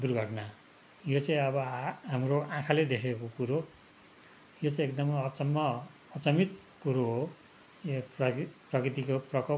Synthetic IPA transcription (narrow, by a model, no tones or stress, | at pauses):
d̪urɡʌʈna | jot͡sʌ̃ĩʌβʌɦamroãkʰaled̪ekʰekokuɾo | jot͡sʌĩekd̪ʌmʌt͡sʌmːʌː | t͡sʌmit̪ | kuɾoɦo | jeprʌkrit̪ikoprʌkʌ